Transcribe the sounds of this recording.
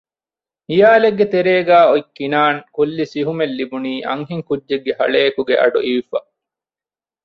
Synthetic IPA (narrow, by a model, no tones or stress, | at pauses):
hijaːleɡːet̪eɾeːɡæːoikːinaːŋkulːisiɦumelːibuniːʔɐ̰ŋɦiŋkudːeɡːehɐɭeːɐkuɡeʔɐ̰ɖuʔiʋifɐ